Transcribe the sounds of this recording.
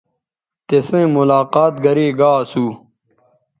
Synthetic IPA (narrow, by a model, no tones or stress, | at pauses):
t̪esẽːmulaːqaːt̪ɡɐɾiːɡaːsuː